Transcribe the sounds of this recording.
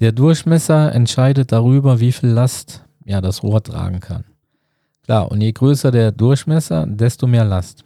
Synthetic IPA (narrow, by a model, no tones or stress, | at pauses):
d̥eːɐdʊɐçmɛsɐɛ̰ntʃaɪdət̚d̥aʁyːbɐviːfiːlːast | aːɐdasʁo̰ːɐtʁ̥a̰ːɡŋ̩kʰa̰n | kl̥a̰ːɐʔʊ̰ntjeːɡʁøːsɐdeːɐdʊɐçmɛsɐ̰dɛstomeːɐlast